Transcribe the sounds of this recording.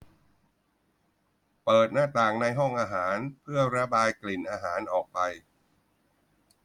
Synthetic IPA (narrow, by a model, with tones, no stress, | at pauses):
pɤː˨˩t̪̚naː˥˩t̪aː˨˩ŋna˧jɦɔ˥˩ŋʔaː˧ɦaː˩˦npʰɯ˥˩ɐɾa˦˥baː˧jkli˨˩nʔaː˧ɦaː˩˦nʔɔː˨˩k̚pa˧j